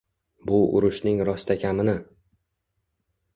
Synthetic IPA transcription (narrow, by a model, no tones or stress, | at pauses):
bʊʊ̰ɾʊʃnɪŋɾɒst̪ʰakʲʰamɪnɪ